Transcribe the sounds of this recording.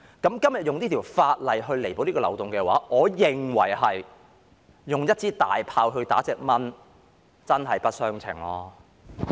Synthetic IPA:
kɐ˨˥mkɐ˥mjɐ˨t̚jʊ˨ŋniː˥t̪ʰiː˨˩wfaː˧t̚lɐ˨jɦɵ˧ɥle˨˩jpo˨˧wniː˥kːɔː˧lwt̪ʊ˨ŋkɛː˧waː˨˥ʔɔː˨˧jɪ˨˩ŋwɐ̰˨˩jɦɐ˨jː | ʊ˨ŋjɐ˥t̚t͡siː˥t̪a̰ː˨jpʰaː˧wɦɵ˧ɥt̪a̰ː˨˥t͡sɛː˧k̚mɐ˥n | t͡sɐ˥nɦɐ˨jpɐ˥t̚sœː˥ŋt͡sʰɪ̰˨˩ŋlɔː˧˥

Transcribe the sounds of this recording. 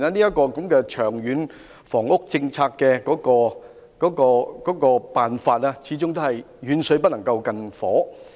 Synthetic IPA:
naː˧niː˥jɐ˥t̚kɔː˧kɐ˨˧˥mkɛː˧t͡ʃʰœː˨˩ŋɥyː˨˥n | fɔː˨˩ŋʊ˥k̚t͡sɪ˧ŋt͡sʰaː˧kːɛː˧kɔː˨˥kɔː˧ | kɔː˨˥kɔː˧kɔː˨˥kɔː˧paː˨nfaː˧t̚aː˥t͡sʰiː˨˥t͡sʊ˥ŋt̪o˥hɐ˨j | ɥyː˨˥nsɵ˨˧ɥp̬ɐ˥t̚nɐ˨˩ŋkɐ˧wkɐ˧nfɔː˨˥

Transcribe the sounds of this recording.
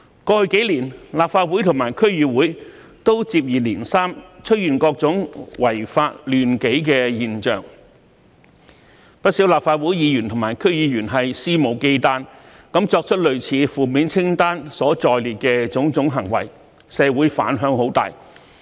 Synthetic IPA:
kɔː˧hɵ˧ɥke˨˥jliː˨˩nlaː˨p̚faː˧t̚wu˨˥jt̪ʰʊ˨˩ŋmaː˨˩jkʰɵ˥ɥjyː˨˧wuː˨˥j | t̪o˥wt͡siː˧p̬̚jiː˨liː˨˩nsaː˥mt͡ʃʰɵ˥t̚jyː˨˩nkɔː˧k̚t͡sʊ˨˥ŋwɐ˨˩jfaː˧t̚lyː˨˩nke˨˥jkɛː˧jiː˨nt͡ʃœ̰ː˨ŋ | pɐ˥t̚siː˨˥wlaː˨p̚faː˧t̚wuː˨˥jiː˨˧jy˨˩nt̪ʰʊ˨˩ŋmaː˨˩jkʰɵ˥ɥjiː˨˧jyː˨˩nɦɐ˨jsiː˥mo˨˩wke˧jt̪aː˧˥n | kɐ˨˥mt͡ʃɔː˧k̚t͡ʃʰɵ˥t̚lɵ˨ɥt͡sʰiː˨˧fuː˨˩miː˨˥nt͡sʰɪ˥ŋt̪aː˥nsɔː˨˥t͡sɔː˧jliː˨t̚kɛː˧t͡sʊ˨˥ŋt͡sʊ˨˥ŋɦɐ˨˩ŋwɐ̰˨˩j | sɛː˧wuː˨˥jfa̰ː˨˥nɦœː˨˥ŋho˨˥wt̪a̰ː˨˩j

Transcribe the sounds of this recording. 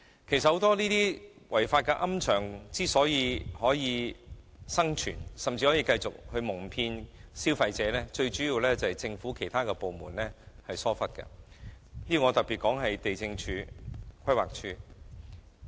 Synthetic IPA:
kʰe˨˩jsɐt̚ho˨˧˥t̪ɔː˥niː˥t̪iː˥wʔɐ˨˩jfaː˧t̚kɛ˧ʔɐ˥mt͡ʃʰœː˨˩ŋt͡siː˥sɔː˨˥jiː˨˧hɔː˨˥jiː˨˧ | sɐ˥ŋt͡ʃʰyː˨˩nsɐ˨˩mt͡siː˧hɔː˨˥jiː˧kɐ˧jt͡sʊ˨k̚hɵ˧ɥmʊ˨˩ŋpʰiː˧nsiː˥wfɐ˧jt͡sɛː˨˥lɛː˥t͡ʃɵ˧ɥt͡ʃyː˨˥jiː˨˧wlɛː˥t͡sɐ˨hɐ˨jt͡sɪ˧ŋfuː˨˥kʰe˨˩jt̪ʰaː˥kɛː˧po˨wmṵː˨˩nlɛː˥hɐ˨jsɔː˥fɐ˥t̚kɐ̰˧ | niː˥o˨˩ŋɔː˨˧t̪ɐ˨k̚piː˨t̚kɔː˨˥ŋɦɐ˨jt̪e˨jt͡sɪ˧ŋt͡ʃʰyː˨˧˥kʷʰɐ˥jwa̰ː˨k̚t͡ʃʰyː˥

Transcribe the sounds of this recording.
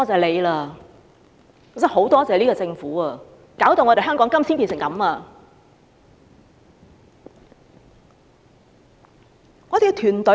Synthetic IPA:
t͡sɛː˨˩le˨˧jlaː˧ | kʰe˨˩wsɐ˨˥ŋɦo˨˥wt̪ɔː˥t͡saː˨liː˥kɔ˧t͡sɪ˧ŋfuː˨˥aː˧ | kaː˨˥wt̪o˨ŋɔ˨˧ɾe˨˩ɦœː˥ŋkɔː˨˥ŋkɐ˥msʰiː˥npiː˧nsɪ˨˩ŋkɐ̰˨˥maː˧ | ŋɔː˨˧t̪e˨˧ɡt̪ʰyː˨˩nt̪ɵ˨˥

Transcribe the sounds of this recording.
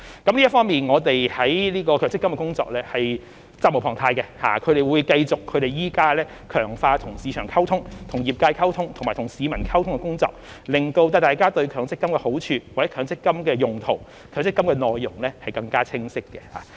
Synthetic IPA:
kɐ˨˥mliː˥ɐ˥tfɔː˥ŋmiː˨nŋɔː˨˧t̪e˨jhɐ˨˥jliː˥kɔː˧kʰːŋsɪ˥kɐ˥mkɛː˧kʊ˥ŋt͡sɔ̰ː˧k̚lɛː˥hɐ˨j | t͡sa˥mo˨˩wpʰɔː˨˩ŋt̪ʰaː˧jkɛ˧ha̰ː˨kʰɵ˨˧ɥɾe˨jwuː˨˧˥jkɐ˧jt͡sʊ˨kʰːɵ˨˧ɥɾe˨jiː˨˥kaː˥lɛː˥ | kʰœː˨˩ŋfaː˧t̪ʰʊ˨˩ŋsiː˨˧t͡ʃʰœː˨˩ŋkʰɐ˥wt̪ʰʊ˥ŋt̪ʰʊ˨˩ŋjiː˨p̚kaː˧jkʰɐ˥wt̪ʰʊ˥ŋt̪ʰʊ˨˩ŋmaː˨˩t̪ʰʊ˨˩ŋsiː˨˧mɐ˨˩nkʰɐ˥wt̪ʰʊ˥ŋkɛ˧kʊ˥ŋt͡sɔ̰ː˧˨k̚ | lɪ˨ŋt̪o˧wt̪ɐ˧t̪aː˨jkaː˥t̪ɵ˧ɥkʰœː˨˥ŋt͡sɪ˥kːɐ˥mkɛː˧ho˨˥wt͡ʃʰyː˧wa˨˩ɛ˨˥kʰœː˨˧ŋsɪ˥kːɐ˥mkɛː˧jʊ˨˩ŋt̪ʰo˨˩w | kʰœː˨˥ŋsɪ˥kːmkɛ˧nɔː˨˧jːʊ˨˩ŋlɛː˥hɐ˨jkɐ˧ŋkaː˥t͡sʰɪ˥ŋsɪ˥kːɛ˧ha̰ː˨˩

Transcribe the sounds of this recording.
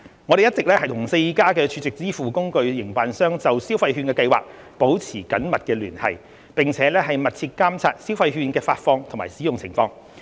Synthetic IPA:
ŋɔː˨˧ɾe˨jɐ˥t̚t͡sɪ˨k̚lɛː˥hɐ˨jt̪ʰʊ˨˩ŋse˧jkaː˥kɛː˧t͡ʃʰyː˨˧t͡sɪ˨k̚t͡siː˥fuː˨˩kʊ˥ŋkɵ˧ɥjɪ˨˩ŋpaː˨nsœː˥ŋt͡sɐ˨wsiː˥wfɐ˧jɦyː˧nkɛː˧kɐ˧jwaː˨k̚ | po˨˥wt͡sʰiː˨˩kɐ˨˥nmɐ˨t̚kɛː˧lyː˨˩nhɐ̰˨˩j | pɪ˨ŋt͡sʰɛː˨˥lɛː˥hɐ˨jmɐ˨t̚t͡sʰiː˧t̚kaː˥mt͡sʰaː˧t̚si˥wfɐ˧jɦyː˧nkɛː˧faː˧t̚fɔː˧ŋt̪ʰma̰ː˨˩jsiː˨˥jʊ˨ŋt͡sʰɪ˨˩ŋfɔː˧ŋ

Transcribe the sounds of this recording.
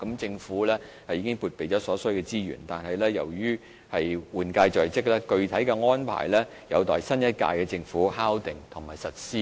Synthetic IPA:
kɐ˨˥mt͡sɪ˧ŋfuː˨˥lɛː˥hɐ˨jiː˧˥kɪ˥ŋpuː˨˧t̚pe˨jt͡sɔː˨˥sɔː˨˥sɵ˨˥jkɛ˧t͡siː˥jy̰ː˨˩nt̪aː˨nhɐ˨jlɛː˥jɐ̰˨˩wjyː˥ | hɐ˨jwuː˨nkaː˧jt͡ʃœː˨˩jt͡sɪ˥k̚lɛː˥kɵ˧ɥt̪ʰɐ˨˥jkɛ˧ŋɔː˥npʰa̰ː˨˩jlɛː˥ | jɐ̰˨˧wt̪ɔː˨˩jsɐ˥njɐ˥t̚ka̰ː˧jkɛ˧t͡sɪ˧ŋfuː˨˥haː˥wt̪ɪ˨ŋt̪ʰʊ˨˩ŋmaː˨˩jsɐ˨t̚siː˥

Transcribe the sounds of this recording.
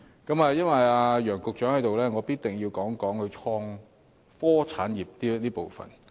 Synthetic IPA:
kɐ˨˥maː˨˧jɐ˥nwɐ˨jaː˧jœː˨˩ŋkʊ˨k̚t͡ʃœː˨˥ŋhɐ˨˥jt̪o˨wlɛː˥ŋɔː˨˧piː˥t̪̚t̪ɪ˨˩ŋji˧wkɔː˨˥ŋkɔː˨˥ŋhɵ˨˧t͡ʃʰɔː˧ŋ | fɔː˥t͡sʰaː˨˥nji˨˩p̚t̪iː˥niː˥po˨wfɐ̰˨˩n

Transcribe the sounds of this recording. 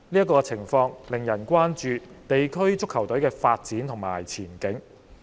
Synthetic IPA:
niː˥ɐ˥k̬ːɔː˧t͡sʰɪ˨˩ŋfɔː˧ŋlɪ˨ŋjɐ˨˩nkʷwaː˥nt͡ʃyː˧t̪e˨jkʰɵ˥ɥt͡sʊ˥kʰːɐ˨˩wt̪ɵ˨˥ɥkɛː˧faː˧t̚t͡siː˨˥nt̪ʰʊ˨˩ŋma̰ː˨˩jt͡sʰiː˨˩nkɪ˨˥ŋ

